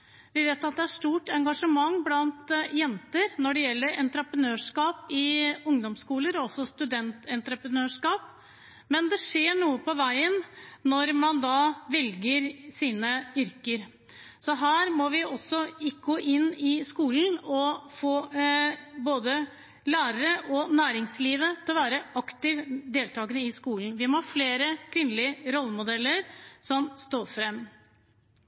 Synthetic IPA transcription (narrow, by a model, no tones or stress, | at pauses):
ʋɪʋeːt̪ɑt̪̚d̪ɛæɾʂʈ̪uːʈɛŋɡɑʂəmɑŋːblɑnt̪jɛnt̪əɾnɔɖɛjɛlːəɾɛnt̪ɾəpɾənøːʂkɑːpɪʊŋd̪ɔmskuːləɾɔɔsːɔst̪ʉd̪ɛnt̪ɛnt̪ɾəpɾənøːʂkɑːp | mɛnd̪ɛʂeːɳuːəpʰɔʋæɪənnɔɾmɑnd̪ɑːʋɛlɡəɾsiːnəʏɾkəɾ | sɔɦæːɾmɔʋɪʔɔsːɔɪkɡoːʔɪnːɪskuːln̩ɔfoː | boːd̪ə | læːɾəɾəʔɔnæːɾɪŋsliːʋət̪ʰɪlɔʋæːɾəʔɑkt̪ɪʋd̪eːlt̪ʰɑːɡənəɪskuːln̩ʋɪmɔhɑɾfleːɾəkʰʋɪnlɪəɾɔlːəmʊd̪ɛlːəɾsɔmst̪oːɾfɾɛmː